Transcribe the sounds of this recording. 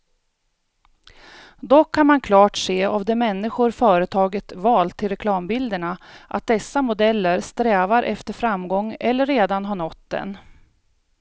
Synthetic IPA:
d̪ɔkʰːanmankʰlɑːʈseːavd̪ɛmɛnːɪɧʊɾfœːɾət̪ʰɑːɡət̪vɑːlt̪ʰːɪlɾɛkʰlɑːmbɪld̪əɳaʔa̰t̪̚d̪ɛsːamʊd̪ɛlːəɾst̪ɾɛːvaɾʔɛft̪əɾfɾamɡɔŋːɛlːəɾːeːd̪anɦaɳɔt̪ːd̪ɛ̰n

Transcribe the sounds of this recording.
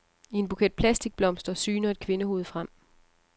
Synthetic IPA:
ie̝nb̥ukʰed̥̚pʰlæsd̥iɡ̥̚b̥lɒ̽m̰sd̥ɐsyːnɐe̝d̥̚kʰʋe̝nəho̝ːð̩ˠfʁam̰

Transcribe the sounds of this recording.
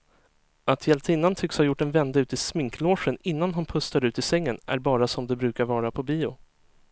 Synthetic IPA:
ʔat̪ʰjɛlt̪ʰɪnːant̪ʰʏkshɑːjʊʈːɛnvɛnd̪aʉ̟ːt̪ɪsmɪŋkloːʂənɪnːanɦʊnpʰɵst̪aɾʉ̟ːt̪ɪsɛŋːənʔæ̰ɾbɑːɾasɔmd̪ɛbɾʉ̟ːkaɾvɑːɾapʰɔbiːʊ

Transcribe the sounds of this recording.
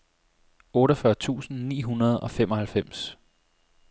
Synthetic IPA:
ɔ̽ːɾɐfɶɐt͡sʰṵːsn̩nḭːɦunɐð̞ˠɒ̽fem̰ɒ̽hælfem̰s

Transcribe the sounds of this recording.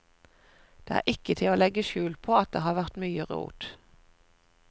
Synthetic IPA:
d̪̥eːæ̰ːʔɪkət̪ʰɪloːlɛɡəʃʉːlpʰoːɑt̪̚d̪eːhɑːʁʋæʁt̪myːəʁṵːt̪

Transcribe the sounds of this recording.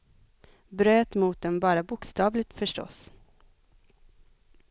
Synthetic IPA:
bɾøːt̪muːt̪̚d̪ɛmbɑːɾabʊkst̪ɑːvlɪɡt̪fœʂʈɔ̰s

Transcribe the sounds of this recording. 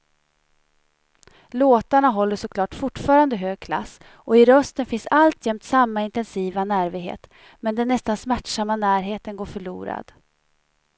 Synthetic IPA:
loːt̪aɳaɦɔlːəʂɔkʰlɑːʈfʊʈːfɑːɾand̪əɦøːɡ̚kʰla̰sː | ɔɪɾœst̪ənfɪnsalt̪jɛmt̪samːaɪnt̪ɛnsiːvanæːɾvɪɡɦḛːt̪ | mɛnd̪ɛnːɛst̪ansmæʈʂamːanæːɾɦeːt̪ənɡoːɾfœɭṵːɾa̰d̪̥

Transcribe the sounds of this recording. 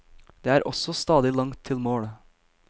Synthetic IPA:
d̪̥eːæːɾʔɔsɔst̪ɑːd̪ɪlɑŋt̪ʰːɪlmoːɽə

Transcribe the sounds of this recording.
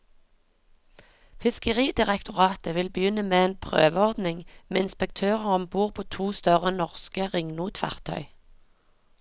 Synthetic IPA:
fɪskəʁiːd̪ɪʁɛkt̪ʰʊʁɑːt̪əʋɪlbəjʏnəmeːeːnpʰʁø̰ːʋəɔʁd̪nɪŋmeːɪnspək̚t̪ʰøːʁəʁɔmbuːʁpʰoːt̪ʰuːst̪œʁənɔʁskəʁɪŋnuːt̪fæ̰ʁt̪ʰœ̰ʏ

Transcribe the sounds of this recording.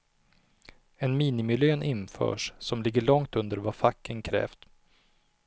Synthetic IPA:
ɛnmiːnɪmɪljøːnʔɪnfœ̰ːʂsɔmlɪɡːəɭɔŋt̪ɵnd̪əɾvafakʰːənkʰɾɛ̰ːft̪

